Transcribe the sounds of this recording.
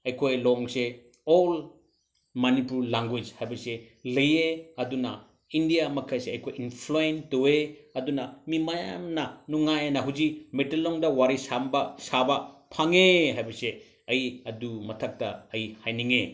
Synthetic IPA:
ɐjkʰojlɔŋse | ol | mɐnipuɾlaŋɡwed͡ʒhajbɐse | lɐjeɐdunɐ | indijamɐkʰɐjseɐjkʰojinpʰloentoweɐdunɐmimɐja̰mnɐnuŋajɐnɐɦuzimetelɔŋdɐwaɾisambɐsabɐpʰaŋeɦajbɐse | ɐjɐdumɐtʰɐk̚tɐɐjhajniŋe

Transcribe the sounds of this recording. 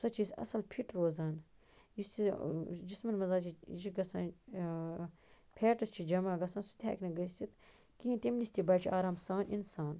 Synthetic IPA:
sɐt͡ʃʰisɐ̰sɐlpʰiʈɾoːzaːn | jisid͡ʒismɐnmɐzaːt͡ʃiiɡɐsaːn | pʰeːʈɐst͡ʃʰid͡ʒɐmaːɡɐsaːnsu̥t̪ʲʰa̰ːknɐɡɐsʲt͡ʃit̪ | kiɦĩnt̪ʲemnisʲt̪ʲibaːt͡ʃʰiaːɾaːmsaːnʔinsaːn

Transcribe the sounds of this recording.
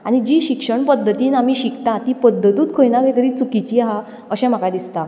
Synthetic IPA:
aɽ̃id͡ʑiːɕikʂəɳpəd̪ʱːət̪iːnam̤iːɕikt̪ãt̪ipəd̪ʱːət̪uːt̪̚kʰojnaket̪əɾiːt͡sukit͡ɕiːaɦa | əɕɛ̃m̤akad̪ist̪a

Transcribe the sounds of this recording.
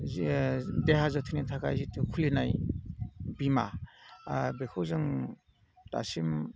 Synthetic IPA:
deɦazɔtʰinitʰakʰa̰jzitukʰulinaj | bima | bekʰɯwzɯŋ | ta̰sim

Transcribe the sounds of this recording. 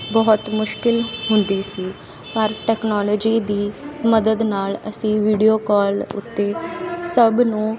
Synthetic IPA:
bɔːt̪mʊʃkɪlɦʊnd̪iːsiː | pəɾʈɛːknɔːlɔːd͡ʒiːd̪iːməd̪əd̪naːlə̰sĩːʋiːɖijoːkɔːlʊ̰t̪ːeːsəbnũː

